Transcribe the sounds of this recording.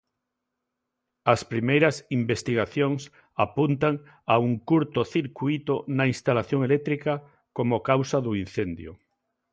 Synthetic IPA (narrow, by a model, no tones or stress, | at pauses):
ɐspɾimejɾɐsimbest̪iɣ̞aθjoŋs | apunt̪aŋ | auŋkuɾt̪ʊθiɾkuit̪onainst̪alaθjoŋelɛt̪ɾika | komokawsaðuin̟θend̪jo̰